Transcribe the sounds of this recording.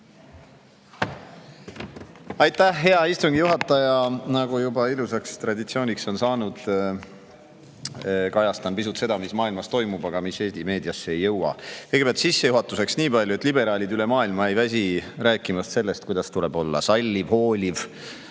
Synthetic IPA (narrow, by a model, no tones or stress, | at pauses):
ɑjt̪ːˑæhɦe̞ɑist̪uŋɡ̥ijuɦɑt̪ːˑɑjɑnɑɡ̥ujubɑilusɑkst̪rɑd̪it̪sio̞ːnʲikso̞nsɑːnud̪̥ | kɑjɑst̪ɑnpisut̪se̞d̪ɑmismɑːilmɑst̪o̞jmubɑɡɑmise̞ːst̪ime̞ːd̪iɑsːeejːɤwɑ̰kɤjɡe̥eɑlt̪sisːe̞juɦɑt̪ːˑuse̞ksniːpɑlʲjue̞t̪ːˑlibe̞ɾɑːlʲid̪yle̞mɑːilmɑejvæs̬ʲiɾæːkːˑimɑst̪se̞lːe̞st̪̚kujd̪̥ɑst̪ule̞b̥o̞lːɑ̰sɑlʲːivho̞ːlʲiv